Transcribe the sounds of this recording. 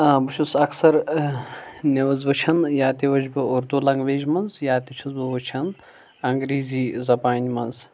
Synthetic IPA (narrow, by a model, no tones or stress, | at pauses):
ɐbɨʃʰusɐksɐɾ | nʲeʋɐzʋɐt͡ʃʰɐnjaːt̪iʋɐt͡ʃbɨʊɾt̪uːlɐŋɡʋeːʒmɐnzjaːt̪it͡ʃʰɐzbɨʋɐt͡ʃʰɐn | ɐŋɡɾiːziːzɐpaːnʲimɐnz